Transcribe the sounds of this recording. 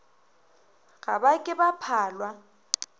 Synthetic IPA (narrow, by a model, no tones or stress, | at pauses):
ɣa̰bakʼɪbapʰaːlwa